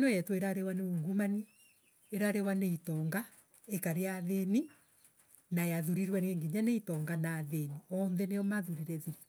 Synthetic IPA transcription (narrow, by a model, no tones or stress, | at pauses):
nɔjɛtweɾaɾewaneuːŋɡumani | eɾaɾewaneitɔŋɡa | ekaɾeaðeni | najaðuɾiɾwɛnɛŋɡiɲaneitɔŋɡanaːðeniɔnðɛneɔmaðuɾiɾɛðiɾ